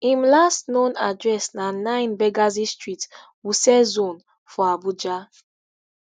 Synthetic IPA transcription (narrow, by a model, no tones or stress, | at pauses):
ĩmlastnõnadɹɛsnanãɪ̃nbɛɡazistɹit | wusɛzõn | fɔabud͡ʒa